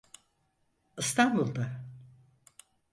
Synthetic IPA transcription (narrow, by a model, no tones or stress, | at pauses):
ɯst̪ʰanbulˠd̪a